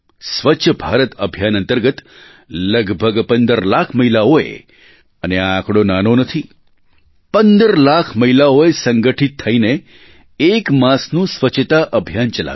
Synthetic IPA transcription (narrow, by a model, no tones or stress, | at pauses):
sʋəːt͡ʃʰəbʱaɾət̪əbʱjanənt̪əɾɡət̪ | ləɡbʱəɡpənd̪əɾlakʰməɦilaoḛ | əneaakɽonanonət̪ʰi | pənd̪əɾlakʰməɦilaoesəŋɡəʈʰit̪ʰːəineː | kmãsnũsʋət͡ʃʰət̪aʔəbʱjant͡ʃəla̰